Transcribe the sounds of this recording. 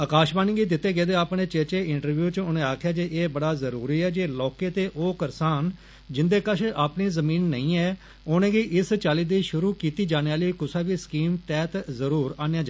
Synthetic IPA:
əkaːʃbaːniːɡiːd̪ɪt̪ːeːɡeːd̪eːaːpnẽːt͡ʃeːt͡ʃeːɪɳʈəɾʋjuːt͡ʃʊnẽːaːkʰjaːd͡ʒeːʔeːbəɽaːzəɾuːɾiːɛːd͡ʒeːlɔːkeːt̪eːʔoːkəɾsaːn | d͡ʒɪnd̪eːkət͡ʃʰaːpniːzəmĩːnːə̰ĩːɛː | onẽːɡiːʔɪst͡ʃaːliːd̪iːʃʊɾuːkiːt̪iːd͡ʒaːneːaːliːkʊsaːʋiːsə̥kiːmt̪ɛːt̪zəɾuːɾaːnejãːd͡ʒaː

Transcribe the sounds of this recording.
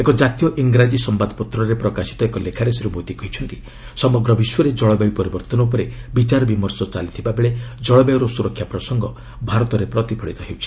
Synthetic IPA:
ekɔd͡ʒat̪ijɔʔiŋɡɾad͡ʒisɔmbad̪ɔpɔt̪ɾɔɾepɾɔkasi̥t̪ɔekɔlekʰaɾesiɾubot̪ikɔɦjt͡ʃʰɔnt̪i | sɔmɔɡɾɔbiswɔɾed͡ʒɔɭɔbajpɔɾibɔɾt̪ɔnɔp̬ɔɾebit͡ʃaɾɔbimɔɾsɔt͡ʃalit̪ʰibabeɭed͡ʒɔɭɔbajɔɾɔsuɾɔkʰːjapɾɔsɔŋɡɔ | bʱaɾɔt̪ɔɾepɾɔt̪ipʰɔɭit̪ɔɦewt͡ʃʰi̥

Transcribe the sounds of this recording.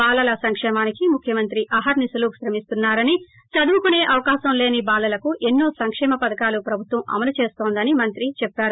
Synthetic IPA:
baːlɐlɐsɐŋkʂɛːmaːnikimukʰjɐmɐnt̪ɾiʔɐɦɐɾnisɐluːpʃɾɐmist̪unːaːɾɐni | t͡ʃɐd̪uʋukune̞ːʔɐʋɐkaːʃɐmle̞ːnibaːlɐlɐkuʔenːoːsɐŋkʂɛːmɐpɐd̪ɐkaːlupɾɐbʱut̪ʋɐmɐ̰mɐlut͡ʃe̞ːst̪o̞ːnd̪ɐnimɐnt̪ɾit͡ʃɛpːaːɾu

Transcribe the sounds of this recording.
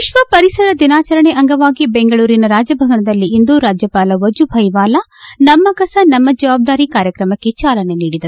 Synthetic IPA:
iʃʋɐpɐɾisɐɾɐd̪inaːt͡ʃɐɾɐɳeʔɐŋɡɐʋaːɡibeŋɡɐɭuːɾinɐɾaːd͡ʒɐbʱɐʋɐnɐd̪ɐlːiind̪uːɾaːd͡ʒjɐpaːlɐʋɐd͡ʒubʱɐjʋaːlɐ | nɐmːɐkɐsɐnɐmːɐd͡ʒɐʋaːb̚d̪aːɾikaːɾjɐkɾɐmɐkːe̞t͡ʃaːlɐneniːɽid̪ɐɾ

